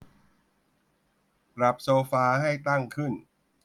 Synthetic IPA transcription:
pɾa˨˩p̚soː˧faː˧ha˥˩jt̪a˥˩ŋkʰɯ˥˩n

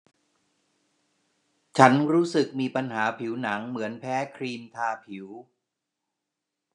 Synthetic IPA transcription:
t͡ɕʰa˦˥nɾuː˦˥sɯ˨˩k̚miː˧pa˧nɦaː˩˦pʰi˩˦wna˩˦ŋmɯ˩˦ənpʰɛː˦˥kʰɾiː˧mt̪ʰaː˧pʰi˩˦w

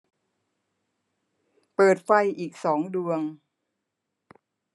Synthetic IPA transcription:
pɤː˨˩t̪̚fa˧jʔiː˨˩k̚sɔː˩˦ŋdu˧əŋ

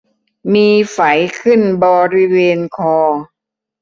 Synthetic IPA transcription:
miː˧fa˩˦jkʰɯ˥˩nbɔː˧ɾi˧weː˧nkʰɔː˧

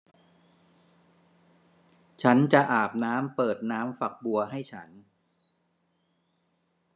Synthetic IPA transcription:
t͡ɕʰa˦˥nt͡ɕa˨ʔaː˨˩p̚naː˦˥mpɤː˨˩t̪̚naː˦˥mfa˨˩k̚bu˧ɐɦa˥˩jt͡ɕʰa˦˥n

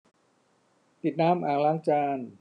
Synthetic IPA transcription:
t̪i˨˩t̪̚naː˦˥mʔaː˨˩ŋlaː˦˥ŋt͡ɕaː˧n

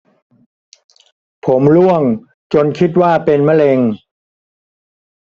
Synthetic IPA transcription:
pʰo˩˦mlu˥˩əŋ | t͡ɕo˧nkʰi˦˥t̪̚waː˥˩pe˧nma˥˨le˧ŋ

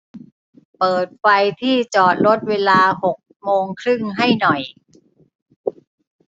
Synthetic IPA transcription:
pɤː˨˩t̪̚fa˧jt̪ʰiː˥˩t͡ɕɔː˨˩t̪̚ɾo˦˥t̪̚weː˧laː˧ho˨˩k̚moː˧ŋkʰɾɯ˥˩ŋɦa˥˩jnɔ˨˩j

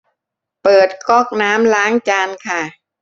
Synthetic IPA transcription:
pɤː˨˩t̪̚kɔ˥˩k̚naː˦˥mlaː˦˥ŋt͡ɕaː˧nkʰa˥˩

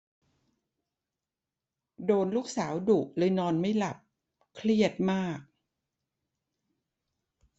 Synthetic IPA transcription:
doː˧nluː˥˩k̚saː˩˦wdu˨˩ʔlɤː˧jnɔː˧nma˥˩jla˨˩p̚ | kʰli˥˩ət̪̚maː˥˩k̚

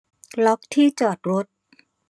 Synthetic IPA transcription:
lɔ˦˥k̚t̪ʰiː˥˩t͡ɕɔː˨˩t̪̚ɾo˦˥t̪̚

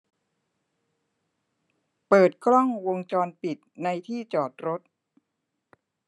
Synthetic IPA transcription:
pɤː˨˩t̪̚kʰlɔ˥˩ŋwo˧ŋt͡ɕɔː˧npi˨˩t̪̚na˧jt̪ʰiː˥˩t͡ɕɔː˨˩t̪̚ɾo˦˥t̪̚

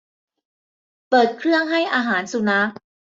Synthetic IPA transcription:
pɤː˨˩t̪̚kʰɾɯ˥˩əŋɦa˥˩jʔaː˧ɦaː˩˦nsu˧na˦˥k̚

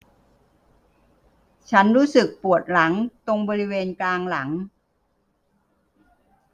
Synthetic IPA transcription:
t͡ɕʰa˦˥nɾuː˦˥sɯ˨˩k̚pu˨˩ət̪̚la˩˦ŋt̪o˧ŋbɔː˧ɾi˦˥weː˧nklaː˧ŋla˩˦ŋ

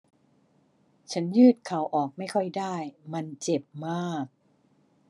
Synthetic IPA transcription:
t͡ɕʰa˦˥njɯː˥˩t̪̚kʰa˨˦˥wʔɔː˨˩k̚ma˥˩jkʰɔ˥˩jdaː˥˩jma˧nt͡ɕe˨˩p̚maː˥˩k̚

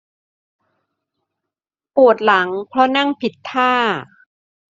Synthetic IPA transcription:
pu˨˩ə˩t̪̚la˩˦ŋpʰɾɔ˦˥na˥˩ŋpʰi˨˩t̪ʰːaː˥˩

